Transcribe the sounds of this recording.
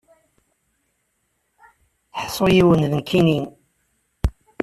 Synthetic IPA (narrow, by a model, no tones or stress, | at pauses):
ħsˤojiwənðənkʰinin